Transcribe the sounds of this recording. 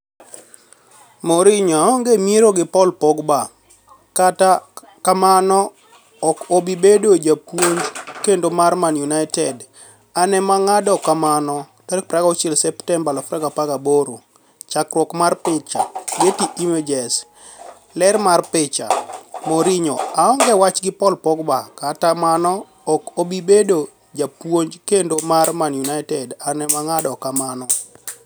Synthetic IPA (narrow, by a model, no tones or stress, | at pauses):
moɾiɲɔŋɡemieɾoɡɪpɔlpɔɡba | kata | kamanɔ | ɔkobibedod͡ʒapwoɲd͡ʒkendomarmanjunaɪtɛd | anɛmaŋadɔkamanɔ | taɾ̚pɾaɡɔt͡ʃelsɛptɛmbalɔfɾaɡapaɡaboɾo | t͡ʃakɾwɔkmarpɪt͡ʃa̰ɡetiimed͡ʒɛs | lɛrmarpɪt͡ʃa̰moɾiɲoaɔŋɡɛwat͡ʃɡɪpɔlpɔɡbakatamanɔ | ɔkobibedo | d͡ʒapwoɲd͡ʒkendomarmanjunajtɛdanɛmaŋadɔkamanɔ